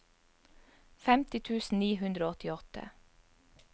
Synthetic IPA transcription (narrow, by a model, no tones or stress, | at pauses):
fɛmt̪ɪt̪ʰʉːsn̩niːhʉnd̪ɾoːɔt̪ɪɔt̪ʰə̰